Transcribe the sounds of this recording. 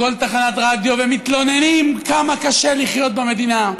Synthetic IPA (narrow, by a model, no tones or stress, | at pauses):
o̞lt̪aχanat̪ʁad̪jovemit̪lo̞nenimkamakaʃe̞liχjo̞t̪̚bame̞d̪ina